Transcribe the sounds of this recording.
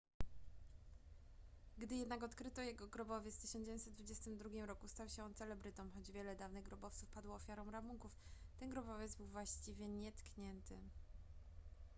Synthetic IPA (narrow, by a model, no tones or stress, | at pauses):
ɡd̪ɘjɛd̪nakɔt̪kɾɘt̪ɔjɛɡɔɡɾɔbɔvʲjɛft̪ɘ̥ɕɔnd͡ʑɛvʲjeɲnʲt̪sɛd̪d̪vud͡ʑɛst̪ɘmd̪ɾuɡʲimɾɔkust̪awɕɛɔnt̪sɛlɛbɾɘt̪ɔ̃mxɔd͡ʑvʲjɛlɛd̪avnɘɣɡɾɔbɔft̪sufpad̪wɔːfʲjaɾɔ̃w̃ɾamuŋkuf | t̪ɛnɡɾɔbɔvʲjɛd̪zbɘwvwaɕt͡ɕivʲjɛɲɛt̪kɲɛnt̪ɘ